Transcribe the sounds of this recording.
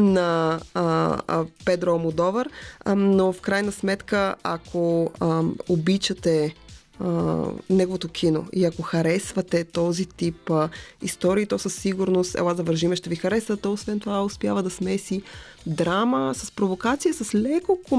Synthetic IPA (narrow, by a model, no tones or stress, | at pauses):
nɐ | pɛd̪ɾomod̪ɔvəɾnofkɾajnəsmɛt̪kəa̰kʰo | obit͡ʃət̪ɛ | ənɛɡovot̪okʰino̰iɐkoxɐɾɛsvɐt̪ɛt̪ɔzit̪ipḭst̪ɔɾiːt̪ɔsəsːiɡʊɾnost̪ɛ̰wˠaɐvəɾʒimɛʃt̪ɛvixɐɾɛsvət̪ɛosvɛnt̪ovaospjavəd̪ɐsmɛsi | d̪ɾaməsɐspɾovokat̪sijəsɐslɛkoko